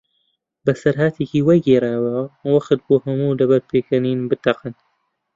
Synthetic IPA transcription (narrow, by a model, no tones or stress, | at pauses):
bɐsɐɾɦaːt̪ʰeːkiːwɐjɡeːɾaːwɐwɐqɨt̪̚boːhɐmuːdɐbɐɾpʰeːkɐniːnbɨt̪ɐqɨn